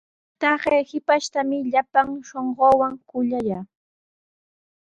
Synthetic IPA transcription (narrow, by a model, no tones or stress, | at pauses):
t̪ɑɢejhɪpaʃt̪amɪʎapaŋʃoɴɢoːwaŋkʊʎajaː